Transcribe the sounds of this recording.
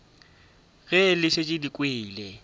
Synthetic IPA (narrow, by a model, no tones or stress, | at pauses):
ɣɛlɪʃɪt͡ʃʼɪdikʼweːlɛ